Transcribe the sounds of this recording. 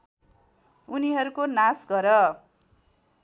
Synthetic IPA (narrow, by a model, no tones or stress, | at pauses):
uniɦʌɾukonasɡʱʌɾʌ